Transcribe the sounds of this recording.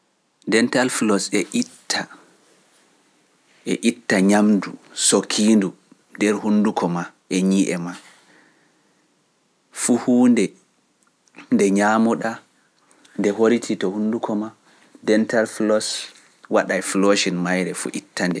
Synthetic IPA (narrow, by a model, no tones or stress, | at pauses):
dɛntalflɔsɛʔitʰːa | ʔɛʔitːaɲamdusokʰindu | ndɛɾhundukʰɔma | ʔɛɲiʔɛma | fuhuːndɛ | ndɛɲamuɗa | ndɛɦoɾitʰitɔhundukɔma | dɛntalflɔs | waɗajfloʃinmajɾɛfṵʔitːandɛ